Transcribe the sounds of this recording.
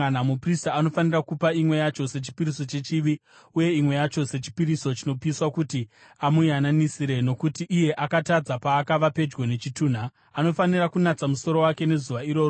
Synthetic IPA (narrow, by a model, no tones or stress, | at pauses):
anamupristaːno̞fanirakupaimwe̞jat͡ʃo̞se̞t͡ʃi̥piɾisot͡ʃe̞t͡ʃiʋi | uje̞imwe̞jat͡ʃo̞se̞t͡ʃi̥piɾiso̞t͡ʃino̞piswakuti | amujananisiɾe̞no̞kutiʔːje̞ʔakatad͡zapaːkaʋape̞d͡ʒwone̞t͡ʃituːn̤a | ano̞fanirakunat͡samuso̞ɾo̞wake̞ne̞zuʋaiɾo̞ːro